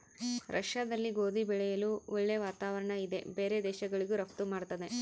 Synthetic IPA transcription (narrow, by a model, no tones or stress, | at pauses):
ɾʔɐ̰ʂjaːd̪ɐlːiɡo̞ːd̪ibɛɭɛjɐluɔɭːe̞ʋaːt̪aːʋɐɾɐɳɐid̪e̞be̞ːɾe̞d̪ɛːʃɐɡɐɭiɡuɾɐp̚t̪umaːɽt̪ɐd̪e̞